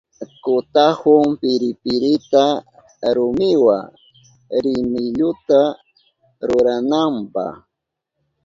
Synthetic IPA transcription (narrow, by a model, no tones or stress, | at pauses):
kʊt̪ahʊŋpɪɾɪpɪɾɪt̪a | ɾʊmɪwa̰ | ɾɪmɪʎʊt̪a | ɾʊɾanampɑ̰χ